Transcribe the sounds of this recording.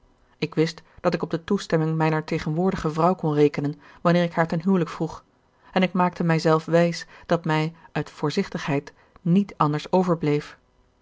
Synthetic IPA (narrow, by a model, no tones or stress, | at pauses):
ɪkʋɪstd̥ɑtɪkɔb̚dətustɛmɪŋmɛjnəɹtejχənʋʊːɹdəχəvrɑwkɔnrejkənən | ʋɑnɪːʁɪkɦaːɹtɛnɦywləkfruχ | ɛnɪk̚maːk̚təmɛjzɛlˠfʋɛjsd̥ɑtmɛjʔœɥtfʊːɹzɪχtəχɦɛjt | nitɑndəɹsowvəɹblejf